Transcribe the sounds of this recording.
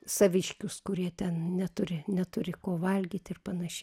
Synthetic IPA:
sɐʋʲɪʃʲkʲʊskʊɾʲiɛt̪ʲɛnnʲɛt̪ʊɾʲɪnʲɛt̪ʊɾʲɪkoːʋɐlʲɡʲiːt̪ʲɪrpɐnɐʃʲɛ

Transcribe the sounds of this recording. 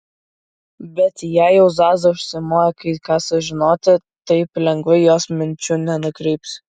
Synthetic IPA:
bʲɛt̪jæjɛʊzɑːzɐʊʃʲsʲɪmoːjɛkɐɪkɑːsʊʒʲɪnoːt̪ʲɪ | t̪ɐɪplʲɛŋɡʋɐɪjoːsmʲɪnʲt͡ʃʲʊnʲɛnʊkɾʲɛɪps

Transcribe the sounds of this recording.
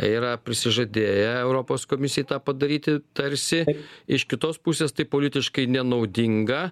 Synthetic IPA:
iːɾɐpʲɾʲɪsʲɪʒɐd̪ʲeːjɛɛʊɾoːpoːskoːmʲɪsʲɪjɛt̪ɑːpɐd̪ɐɾʲiːt̪ʲɪt̪ɐɾʲsʲɪɪʃkʲɪt̪oːspusʲeːst̪ɐɪpoːlʲɪt̪ʲɪʃkɐɪnʲɛnɐʊd̪ʲɪŋɡɐ

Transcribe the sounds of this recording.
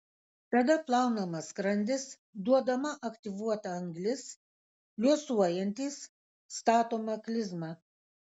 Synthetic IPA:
t̪ɐd̪ɐplˠɑˑʊnɐmɐskɾɐnʲd̪ʲɪs | d̪uɔd̪ɐmɐʔɐkt̪ʲɪʋuɔt̪ɐɐŋɡlʲɪs | lʲuɔsuɔjɛnʲt̪ʲiːsː | t̪ɑːt̪oːmɐklʲɪzmɑ

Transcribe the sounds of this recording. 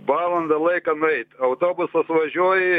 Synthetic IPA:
bɑːlˠɐnd̪ɐlˠɐɪkɐnʊɛɪt̪ʲɐʊt̪oːbʊsɐsʋɐʒʲuɔːjɪ

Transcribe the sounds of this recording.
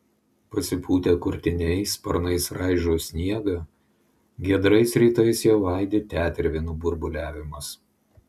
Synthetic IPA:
pɐsʲɪpʰuːt̪ʲeːkʊɾʲt̪ʲɪnʲɛɪspɐɾnɐɪsɾʔɑɪʒʲoːsʲnʲiɛɡɐ | ɡʲiɛd̪ɾɐɪsɾʲiːt̪ɐɪsjɛʊʋɑˑɪd̪ʲeːt̪ʲæːt̪ʲɾʲʋʲɪnubʊɾbʊlʲæːʋʲɪmɐs

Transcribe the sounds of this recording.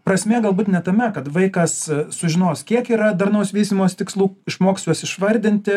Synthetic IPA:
pɾɐsʲmʲeːɡɐlˠbuːt̪nʲɛt̪ɐmʲɛkɐt̪ʋɐɪkɐssʊʒʲɪnoːskʲiɛkiːɾɐd̪ɐrnɐʊsʋʲiːsʲt̪ʲimoːst̪ʲɪkslˠuːɪʃmoːksʲlʲuɔsɪʃʋɐɾʲd̪ʲɪnʲt̪ʲɪ

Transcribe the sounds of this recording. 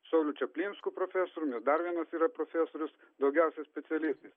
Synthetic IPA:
sɐʊlʲut͡ʃʲɛpʲlʲiːnʲskupɾoːfʲæˑsoːɾʊmʲɛsd̪ɐɾʋʲiɛnɐsiːɾɐpɾoːfʲæsoːɾʲʊs | d̪ɒʊɡʲɛˑʊsʲɛsʲpʲɛt̪sʲɪɛlʲɪst̪ɐɪs

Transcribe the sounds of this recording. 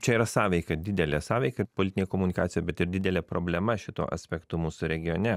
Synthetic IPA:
t͡ʃʲɛiːɾɐsɑːʋʲɛɪkɐd̪ʲɪd̪ʲɛlʲɛsɑːʋʲɛɪkɐpolʲɪt̪ʲɪnʲeːkoːmʊnʲɪkɑːt̪sʲɪjobʲɛt̪ɪɾd̪ʲɪd̪ʲɛlʲeːpɾo̰ːbʲlʲɛmɐʃʲɪt̪o̰ːʔɐ̰sʲpʲɛkt̪uːmuːsʊɾʲɛɡʲɪjoːnʲɛ

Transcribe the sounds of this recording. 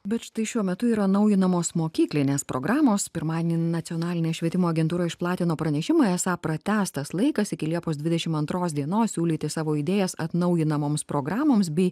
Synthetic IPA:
bʲɛt̪ʃt̪ɐɪʃʲuɔmʲɛt̪ʊiːɾɐnɐʊjɪnɐmoːsmoːkʲiːklʲɪnʲeːspɾo̰ːɡɾɑːmoːspʲɪɾmɑːd̪ʲeːnʲinɐt̪sʲɪoːnɑːlʲɪnʲeːʃʲʋʲiɛt̪ʲɪmoːɐɡʲɛnt̪uːɾɐɪʃplˠɑːt̪ʲɪnoːpɾɐnʲɛʃʲɪmɑːɛsɑːpɾɐt̪ʲæːst̪ɐslˠɐɪkɐsɪkʲɪlʲiɛpoːsd̪ʲʋʲɪd̪ʲɛʃʲɪmɐnt̪ɾoːs̬d̪ʲiɛnoːssʲuːlʲiːt̪ʲɪsɑːʋoːiːd̪ʲeːjɛsɐ̰t̪nɐʊjɪnɐmoːmspɾoːɡɾɑːmoːmsbʲɛɪ

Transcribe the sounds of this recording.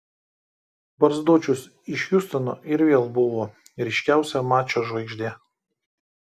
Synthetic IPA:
bɐɾzd̪uːt͡ʃʲʊs | ɪʃʲjʊst̪ɐno̰ːʔɪɾʋʲeːlˠbʊʋoː | ɾʲɪʃʲkʲæˑʊsʲɛmɑːt͡ʃʲoːʒʋɐɪɡʒʲd̪ʲeː

